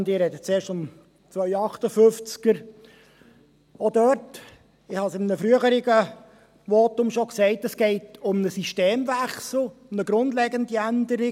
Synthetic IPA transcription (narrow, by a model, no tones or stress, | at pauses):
ndɪɾɛdət͡seːɾʃtʊm | t͡sʋœʏɑχtəfʏft͡skəɾ | odœt | ɪhɑsɪmənəfɾyəχəɾɪɡə | ʋotʊmʃoksɛɪtəsɡ̥ɛɪtʊmnəsiʃteːmvæχsl̩ˠʊmnəɡɾʊndlɛɡəndiændəɾɪ